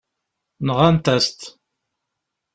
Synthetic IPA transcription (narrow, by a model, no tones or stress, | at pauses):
nəʁant̪æst̪